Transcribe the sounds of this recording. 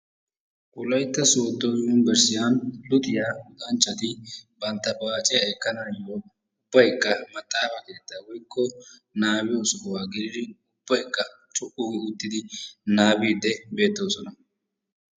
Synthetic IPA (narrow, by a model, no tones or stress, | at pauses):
kʼʊlɐjt̪ːɐsoːt̪ːojuːnbɛɾsɪjanlʊt̪ʼɪjaːhʊt̪ʼɐnt͡ʃːɐt̪ɪbɐnt̪ːɐbaːt͡ʃʼɪjɐɛkːɐnaːjoː | ʊbːɐjkːɐmɐt̪ʼːaːfɐke̞ːt̪ːaːwɔjkːɔnaːbɪjosɔɔwaːɡɪɾɪd̪ɪʊb̥ːɐjkʼːɐ | t͡ʃʼʊʔʊɡɪʊt̪ːɪd̪ɪnaːbiːd̪ːɛbe̞ːt̪ːoːsɔnɐ